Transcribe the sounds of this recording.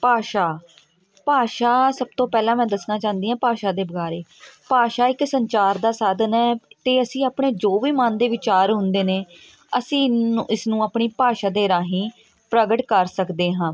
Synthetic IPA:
paːʃaː | paːʃaːsəb̚t̪õːpɛːlãːmɛ̃ːd̪əsnaːt͡ʃãːnd̪iːãːpaːʃaːd̪eːbəɡaːɾeːpaːʃaːɪksəɲt͡ʃaːɾd̪aːsad̪nɛːt̪eːəsĩːaːpɳeːd͡ʒoːʋiːmaːnd̪eːʋɪt͡ʃaːɾɦʊ̃nd̪eːneː | əsĩːɪsnũːaːpɳiːpaːʃaːd̪eːɾaːɦĩː | pɾəɡəʈkəɾsəkd̪eːɦãː

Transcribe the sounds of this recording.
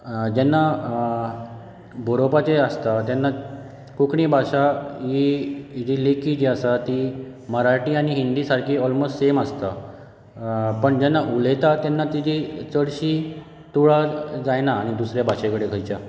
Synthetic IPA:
d͡ʑɛnːa | bʱoɾopat͡ɕeəst̪at̪jɛnːa | kukɳiːbʱaɕaɦid͡ʑilekiːd͡ʑiasat̪i | məɾaʈiːaɽ̃iɦind̪iːsaɾkʰiːɔlmosʈsemast̪a | pəɳd͡ʑɛnːaʔulet̪at̪jɛnːat̪id͡ʑit͡səɽɕiː | t̪uɭad͡zajnaːɽ̃id̪usɾjabʱaɕekəɽekʰəjt͡ɕa

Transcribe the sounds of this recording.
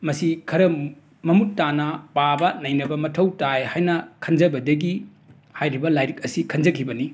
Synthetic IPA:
mɐsikʰɐɾɐ | mɐmutːanɐpabɐnɐjnɐbɐmɐtʰɐwtajhajnɐkʰɐnd͡ʒɐbɐdɐɡi | hajɾibɐlajɾik̚ɐsikʰɐnd͡ʒɐkʰibɐni

